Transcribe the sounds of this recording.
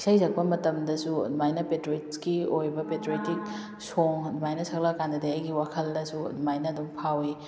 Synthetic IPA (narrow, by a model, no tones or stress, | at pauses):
sɐjzɐk̚pɐmɐtɐmdɐsumajnɐpetɾuetkiojbɐpetɾetik̚ | soŋmajnɐsɐklakandɐdɐajɡiwakʰɐldɐsumajnɐːdumpʰawi